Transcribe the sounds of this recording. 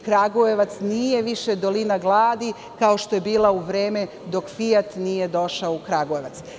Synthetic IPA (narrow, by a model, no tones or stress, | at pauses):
kɾaɡojeʋat̪snijeʋiʃed̪o̞linaɡlˠaːd̪i | kao̞ʃt̪oje̞biːlˠauʋɾeːme | d̪o̞kfijat̪nijed̪o̞ʃaoukɾaɡojeʋat̪s